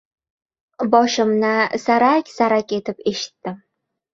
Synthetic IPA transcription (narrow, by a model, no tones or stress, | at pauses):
bɒʃɪmnɪsaɾakʲsaɾakʲe̞t̪ɪpe̞ʃɪ̥t̪ːɪm